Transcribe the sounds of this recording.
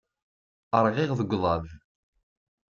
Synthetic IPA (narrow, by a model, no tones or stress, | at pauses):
əɾˤʁɪʁðəɡʷðˤɑð